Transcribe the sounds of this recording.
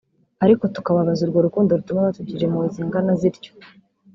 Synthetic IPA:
aɾiko̞tu̥kaβaβazuɾɡo̞ɾukuːndoɾutumeatuɟiɾe̞muziŋɡanaziɾɟo̥

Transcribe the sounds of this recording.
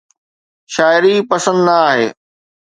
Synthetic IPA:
ʃaːɪɾipɐsə̃nd̪naaːɦeː

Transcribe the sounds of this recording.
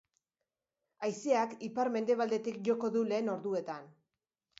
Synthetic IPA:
ajsiakipaɾme̞nd̪e̞β̞ald̪e̞t̪ikʝo̞ko̞ðule̞ːno̞ɾðue̞t̪an

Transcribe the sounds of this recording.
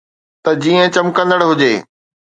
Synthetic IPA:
t̪ɐd͡ʑiːə̃t͡ɕɐmkə̃nd̪əɽɦʊd͡ʑeː

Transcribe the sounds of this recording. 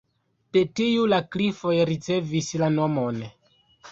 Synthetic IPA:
petijulaklifo̞jɾit͡se̞vislano̞mo̞n

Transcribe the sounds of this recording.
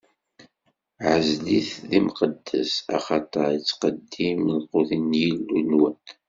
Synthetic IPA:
ʕəzliθðimqəd̪ːəsɑ̰χɑt̪ˤəɾˤət͡sːqəd̪ːimðquθənjilːunwæn

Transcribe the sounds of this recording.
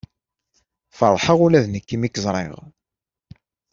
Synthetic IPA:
fəɾˤħəʁulæðnəkːimikːzˤɾˤɪ̰ʁ

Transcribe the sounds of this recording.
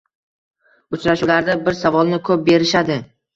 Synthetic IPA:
ʊt͡ʃɾaʃulaɾd̪abɪɾsavɒlˠnɪkʰɵp̚be̞ɾɪʃad̪ɪ

